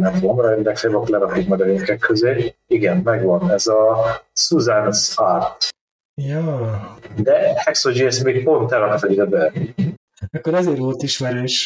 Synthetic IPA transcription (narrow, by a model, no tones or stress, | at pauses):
nɛvomɾɒend̪ɛkfebɒk̪lɛɾɒkikmɒɡɒvenkɛkʰːøzeːiɡɛnmɛɡʋɒnɛzɒsuzansart̪ | jaːd̪ɛhɛksod͡ʒiɛst̪meːk̚po̞nt̪ɛlɒkt̪ɒd̪id̪ɛbɛ | ɛkːoɾɛzeːɾvo̞lt̪iʃmɛɾøːʃ